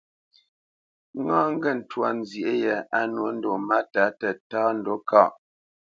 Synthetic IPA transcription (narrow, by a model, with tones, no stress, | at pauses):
ŋ˦ãː˦ŋ̩˦ɡɛ˦˨n̩˨twa˨n˦zjʔe˦jɛ˨a˦nwə˦n̩˦do˨ma˦ta˨˦tɛ˨taː˦n̩˨do˦ka˦˨ʔ